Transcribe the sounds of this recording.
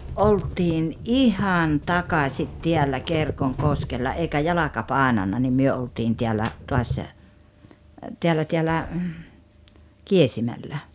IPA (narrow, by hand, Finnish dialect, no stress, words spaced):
ʔoltiːn ʔihɑn tɑkɑsit tiælːæ kerkoŋkoskelːɑ eikæ jɑlɑkɑ pɑˑenɑnːɑ ni myø oltiːn tʲiælːæ tuɑs teælːæ tʲiælːæ kiesimælːæ